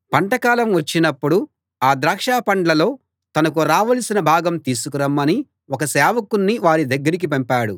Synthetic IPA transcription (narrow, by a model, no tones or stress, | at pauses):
pɐɳʈɐkaːlɐmʋɐt͡ʃːinɐpːuɽu | aːd̪ɾaːkʂaːpɐɳɖlɐlo̞ː | t̪ɐnɐk̬uɾaːʋɐlɐsinɐbʱaːɡɐmt̪iːsukuɾɐmːɐni | ɔkɐsɛːʋɐkunːiʋaːɾid̪ɐɡːɐɾik̬ipɐmpaːɽu